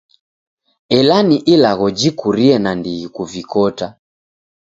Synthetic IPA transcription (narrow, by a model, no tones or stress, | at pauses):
ɛlaniʔilaɣɔd͡ʒikuɾiɛnandiɣikuvikɔta